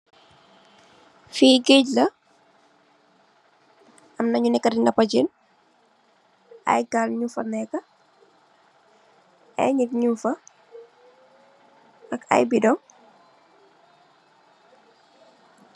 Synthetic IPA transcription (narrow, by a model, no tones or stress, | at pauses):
fiːɡeɟlɐ | ɐmnɐɲunɛkːɐdinɡɐpɐd͡ʒin | ɐ̰jɡalɲufɐnɛkːɐ | ɛ̰ɲik̚ɲufɐ | ɐkɐ̰jbidɔŋ